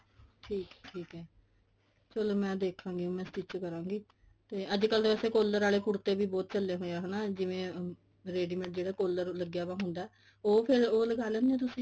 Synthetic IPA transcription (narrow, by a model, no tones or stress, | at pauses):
ʈʰiːkːʈʰiːkɛː | t͡ʃəloːmɛ̃ːd̪eːkʰːãːŋɡiõːmɛ̃ːstɪt͡ʃkəɾãːŋɡiː | t̪eːʔəd͡ʒkəld̪ɛːseːkoːlːəɾaːleːkʊɽt̪eːbiːbɔːt̪̚t͡ʃəlːeːɦoːjaːɦənaːd͡ʒɪʋẽː | ɾeːɖiːmɛ̃ɳʈ̚d͡ʒeːɽaːkoːləɾləɡjaːbãːɦʊnd̪aː | oːpʰɪɾoːləɡaːlɛ̃ːnd̪ẽːt̪̬ʊsĩː